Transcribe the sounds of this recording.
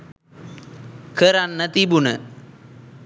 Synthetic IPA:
kʰəɾanːɐt̪ibunɐ

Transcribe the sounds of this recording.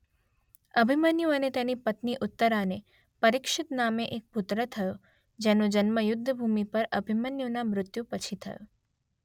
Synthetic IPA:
əbʱimənjuənet̪enipət̪niʔʊt̪ːəɾane | pəɾɪkʃɪt̪nameʔek̚pʊt̪ɾət̪ʰəjo | d͡ʒɛnõd͡ʒənməjʊd̪ʱːəbʱumipəɾəbʱimənjonamɾʊt̪jũpət͡ʃʰit̪ʰə̰jo̰

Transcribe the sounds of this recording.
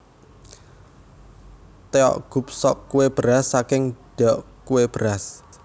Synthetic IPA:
t̪eɔ̰ʔɡ̥ṳp̚sɔʔkuweb̥əɾasːakɪŋɖ̥ɔʔ | kuweb̥əɾas

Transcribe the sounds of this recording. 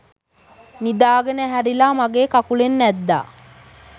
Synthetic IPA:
nid̪aːɡənəɦæɾilaːmaɡeːkakulenːæd̪ːa̰ː

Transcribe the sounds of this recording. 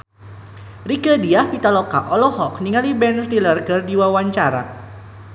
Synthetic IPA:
rikədiahpit̪alɔka̰ʔɔlɔhɔkniŋalibɛnst̪ilərɡərdiwawaɲt͡ʃaɾa̰

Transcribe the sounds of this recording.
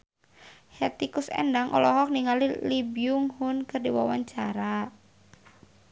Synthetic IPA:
hɛt̪ikʊsɛ̰ndaŋʔɔ̰lɔɦɔk̚niŋalilibiʊŋhʊnkɨrdiwawaɲt͡ʃaɾa

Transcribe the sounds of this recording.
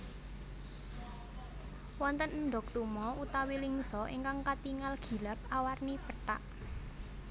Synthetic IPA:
wɔnt̪ənnɖɔ̤k̚t̪umɔut̪awiliŋsɔḭŋkaŋkat̪iŋalɡ̥i̤lap̚awarnipəʈa̰ʔ

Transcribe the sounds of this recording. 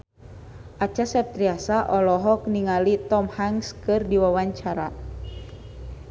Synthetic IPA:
ʔat͡ʃasɛp̚t̪ɾiasaʔɔlɔɦɔk̚niŋalit̪ɔmhaŋskɨrdiwawaɲt͡ʃaɾa

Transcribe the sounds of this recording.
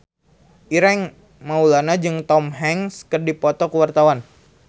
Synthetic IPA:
ʔiɾɛŋ | maulanad͡ʒɨŋt̪ɔmɦɛŋskərdipɔt̪ɔkəwart̪awan

